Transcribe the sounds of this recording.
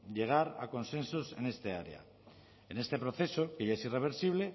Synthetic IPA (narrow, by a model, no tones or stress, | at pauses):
ʎe̞ɣ̞aɾa̰ko̞nse̞nsose̞̰ne̞st̪e̞aɾḛa̰ | ene̞st̪e̞pɾo̞θe̞soke̞jʝae̞sire̞β̞e̞ɾsiβ̞le̞